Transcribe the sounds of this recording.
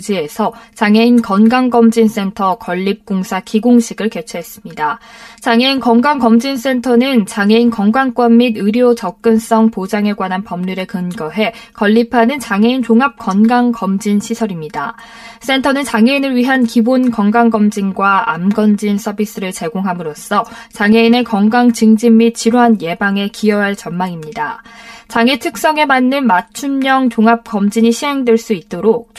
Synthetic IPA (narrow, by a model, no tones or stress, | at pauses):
d͡ʑie̞sʰʌt͡ɕaŋɦe̞inkʌnɡaŋɡʌmd͡ʑins͈e̞ntʰʌkʌʎːip̚k͈oŋsʰakiɡoŋɕʰiɡɯɭke̞t͡ɕʰuɦe̞s͈ɯmɲidat͡ɕaŋe̞inkʌŋɡaŋkʌmd͡ʑins͈e̞ntʰʌnɯnt͡ɕaŋe̞inkʌŋɡwaŋk͈wʌnmidɯɾiot͡ɕʌk̚k͈ɯns͈ʌŋpod͡ʑaŋeɡwanɦanpʌmɲuɾe̞kɯnɡʌɦe̞kʌʎːipʰanɯnt͡ɕaŋe̞int͡ɕoŋap̚k͈ʌnɡaŋkʌmd͡ʑinɕʰisʰʌɾimɲida | s͈e̞ntʰʌnɯnt͡ɕaŋe̞inɯɭɥiɦankibonkʌŋɡaŋɡʌmd͡ʑiŋɡwaamɡʌnd͡ʑinsʰʌbis͈ɯɾɯɭt͡ɕe̞ɡoŋɦamɯɾos͈ʰʌ | t͡ɕaŋɦe̞ine̞kʌŋɡaŋt͡ɕɯŋd͡ʑimːit͡ɕ͈iɾoɦanje̞baŋe̞kiʌɦaɭt͡ɕʌnmaŋimɲidat͡ɕaŋetʰɯk̚s͈ʌŋe̞manːɯnmat͡ɕʰumːʌŋt͡ɕoŋap̚k͈ʌmd͡ʑiɲiɕʰiɦe̞ŋdwe̞ɭs͈uit̚t͈oɾok̚